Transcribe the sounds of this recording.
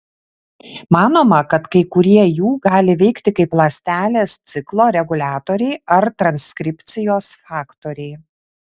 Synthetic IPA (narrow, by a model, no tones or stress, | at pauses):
mɑːnoːmɐkɐt̪kɐɪkʊɾʲiɛjuːɡɑːlʲɪʋʲɛɪkt̪ʲɪkɐɪplˠɐsʲt̪ʲæːlʲeːst̪sʲɪklˠoːɾʲɛɡʊlʲɑːt̪oːɾʲɛɪɐɾt̪ɾɐnʲsʲkɾʲɪpʲt̪sʲɪjoːsfɑːkt̪oːɾʲɛɪ